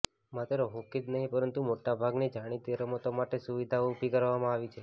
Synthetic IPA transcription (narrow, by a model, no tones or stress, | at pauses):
mat̪ɾoɦokit̪nəɦĩpəɾənt̪umoʈabʱaɡned͡ʒaɽ̃it̪eɾəmot̪omaʈesuʋid̪ʱaupikəɾʋamãaʋit͡ʃʰe